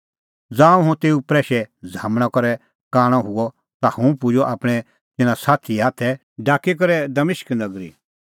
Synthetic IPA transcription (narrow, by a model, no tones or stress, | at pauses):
d͡zãːũɦũt̪eːupɾɛːʃɛd͡zʱaːmɽ̃ãkɔɾɛ | kaːɽ̃ɔ̃ɦʊɔ | t̪ahũpʊd͡ʒɔʔaːpɽ̃ɛ | t̪ɪnãsaːt̪ʰiaːt̪ʰɛ | ɖaːkːik̬ɔɾɛd̪ɐmɪʃknɐɡɾḭ